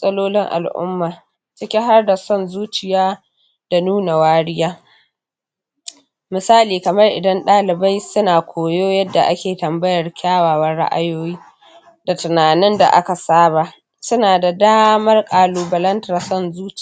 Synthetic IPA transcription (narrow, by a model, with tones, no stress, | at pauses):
sʼɐ˦loː˦lɪ˦ŋʔa̰˨lʔʊ̰˦mːaː˨ | t͡ʃɪ˦kʲe˦ɦa˦rda˨sɔ˦˨nzuː˦t͡ʃɪ˨jaː˦ | d̥a˨nuː˦na˨waː˦ɽɪ˦jaː˦ | mɪ˨saː˦liː˨kɐ˨mɐ˦rʔɪ˨dɐ˦nɗaː˦lɪ˨ba˦jsʊ˦naː˨kʷʰoː˨joː˦jɐ˦dːa˨ʔa˦kʲeː˨tɐ˨mbɐ˦jɐ˨rkʲʰaː˦waː˨wɐ˦rɽa̰˦ʔa̰˦joː˦jiː˦ | da˨tʊ˨naː˨nɪ˦nda̰˨ʔa̰˦ka˨saː˦ba˨ | sʊ˦naː˨da˨daː˦mɐ˦rkʼaː˨luː˨bɐ˨lɐ˦ntɐ˨rsɔ˦˨nzuː˦t͡ʃ